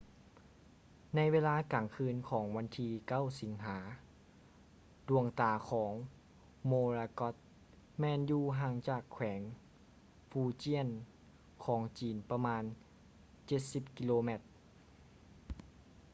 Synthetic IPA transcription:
na˧jʋeː˧laː˧˥kaː˨˩ŋkʰɯː˧nkʰɔː˩˦ŋʋa˧nt̪ʰiː˧ka˥˨wsi˨˩˦ŋɦaː˩˦ | du˨˧˩əŋt̪aː˨˩kʰɔː˩˦ŋ | moː˧ɾaː˧kɔ˧˦˥t̪̚ | mɛː˧njuː˧ɦaː˧˩ŋt͡ɕaː˨˩kʰwɛː˩˦ŋ | fuː˧t͡ɕi˥˩ən | kʰɔː˩˦ŋt͡ɕiː˨˩npa˧maː˧n | t͡ɕe˧˩t̪̚si˨˧˩p̚ki˧loː˧me˧˩t̪̚

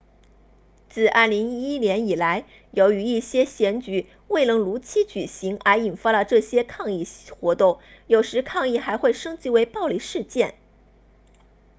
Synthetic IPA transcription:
t͡sɹ̩˥˩ʔɐ̰˥˩li˧˥ŋi˥njɛ˧˥ni˨˩la˧˥ɪ | jo˧˥ʊy˧˥i˥˩ɕjɛ˥ɕjɛ˧˥nt͡ɕy˨˩˦ | we˥˩ɪnɤ˧˥ŋlu˧˥t͡ɕʰi˥t͡ɕy˨˩ɕi˧˥ŋə˞˧˥i˨˩nfa˥lə˨ʈ͡ʂɤ˥˩ɕjɛ˥kʰɑ˥˧ŋi˥˩xwɔ˧˥t̪ʊ˥˩ŋ | jo˨˩ʊʂɻ̩˧˥kʰɑ˥˧ŋi˥˩xa˧˥ɪxwe˥˩ɪʂɤ˥ŋt͡ɕi˧˥we˧˥ɪpɑ˥˧ʊli˥˩ʂɻ̩˥˧t͡ɕjɛ˥˩n

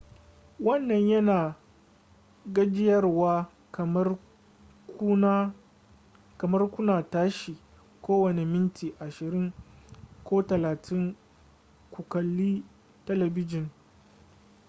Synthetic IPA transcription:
wɐ˦nːɐ˨ɲjɐ˦naː˨ | ɡɐ˦d͡ʒɪ˦jɐ˦rwaː˦˨˦ | kɐ˨mɐ˦rkʷʊ˦naː˨taː˦ʃiː˨ | kʷoː˦wɐ˨ne˨mɪ˦ntiː˨ʔa˨ʃɪ˨ɾɪ˦ŋ | kʷʰoː˦tɐ˨laː˨tʰɪ˦ŋ | kʷu˨kɐ˨lːiː˦ | tɐ˦lɐ˨bɪ˦d͡ʒɪ˨ŋ

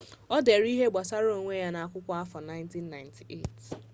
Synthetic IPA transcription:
ɔ˦de˨ɾi˦ɦe˦ɡ͡ba˨sa˦ɾo˦˨ŋʷe˦ja˦na˨a˨kʷʊ˦kʷa˦a˦fɔ˨na˦ɪ˦nti˦nːa˨ɪ˨ntʰi˨ʔḛ˦˨t

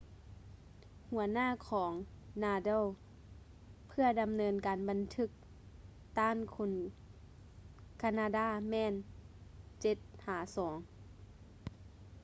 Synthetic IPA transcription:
hu˨˩˦ɐnaː˥˨kʰɔː˩˦ŋ | naː˧dɤ˥˨w | pʰɯ˧ɐda˨mnɤː˧nkaː˨nba˨nt̪ʰɯ˧˥k̚ | t̪aː˧˥˨nkʰu˧n | kʰa˧naː˧daː˥˩mɛː˧˥˨n | t͡ɕe˧˦t̪̚haː˨˩˦sɔː˩˦ŋ

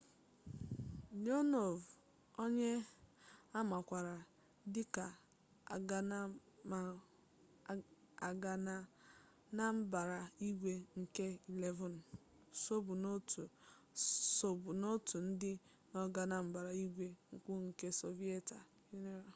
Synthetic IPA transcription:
do˦no˨v | o˦ɲe˦ | a˦ma˨kʷa˨ɾa˨ | dɪ˦ka˨˦˨ | a˨ɡa˨˦ | na˦m̩˦ba˨ɾa˨i˦ɡʷe˦ŋ̩˨ke˦i˨le˦vɔ˨n˨ | so˦bu˨no˦tʰu˨ | so˨bu˨no˦tu˨n̩˦dɪ˦ | nɔ˦ɡa˨na˨m̩˦ba˨ɾa˨i˦ɡʷe˦ŋ̩˨kʷu˦ŋ̩˨ke˦so˨vi˦e˦ta˨ | ju˦ne˦ɾa˨

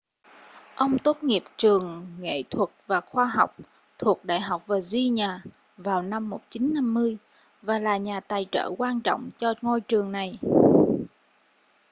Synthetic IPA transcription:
ʔə˧wŋ͡mt̪o˦˥t̚ŋi˨˩əp̚t͡ɕɨ˨˩əŋŋḛ˧˨t̪ʰwə˨˩t̚vaː˨˩xwaː˧ɦa˨˩wk͡p̚ | t̪ʰu˨˩ək̚ɗa̰ː˧˨jɦa˨˩wk͡p̚vaː˨˩zi˧ɲaː˨˩ | vaː˨˩wna˧mːo˨˩t̚t͡ɕi˨˦nːa˧mːɨ˧əj | vaː˨˩laː˨˩ɲaː˨˩t̪aː˨˩jt͡ɕə̰ː˧˩kwaː˧nt͡ɕɔ̰˧˨wŋ͡mt͡ɕɔ˧ŋo˧jt͡ɕɨ˨˩əŋna˨˩j

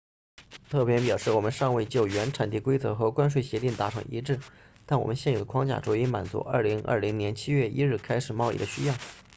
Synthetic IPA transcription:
t̪ʰɤ˥˩pjɛ˥npjɑ˨˩ʊʂɻ̩˥˩wɔ˨˩mə˦nʂɑ˥˧ŋwe˥˧ɪt͡ɕjo˥˩ʊɥɛ˧˥nʈ͡ʂʰa˨˩nt̪i˥˩kwe˥ɪt͡sɤ˧˥xɤ˧˥kwa˥nʂwe˥˩ɪɕjɛ˧˥t̪i˥˩ŋt̪a˧˥ʈ͡ʂʰɤ˧˥ŋʔḭ˧˥ʈ͡ʂɻ̩˥˩ | t̪a˥˩nwɔ̰˨˩mə˦nɕjɛ˥˩njo˨˩d̪ə˦kʰwɑ˥ŋt͡ɕja̰˥˩ʈ͡ʂo˧˥i˥ma̰˨˩nt͡sṵ˧˥ʔə̰˞˥˩li˧˥ŋə̰˞˥˩li˧˥ŋnjɛ˧˥nt͡ɕʰi˥ɥɛ˥˩ʔi˥ɻ̩˥˩kʰa˥ɪʂɻ̩˨˩mɑ˥˧ʊḭ˥˩d̪ə˩ɕy̰˥jɑ˥˩ʊ

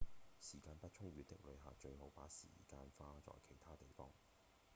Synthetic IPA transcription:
siː˨˩kaː˧npɐ˥t̚t͡ʃʰʊ˥ŋɥyː˨˧t̪ɪ˥k̚lɵ˨˧ɥɦa̰ː˨˩t͡ʃɵ˧ɥɦo˨˥wpa̰ː˨˥sḭː˨˩kaː˧nfaː˥t͡ʃɔ̰ː˨˧jkʰe˨˩jt̪ʰaː˥t̪e˨˩jfɔː˥ŋ

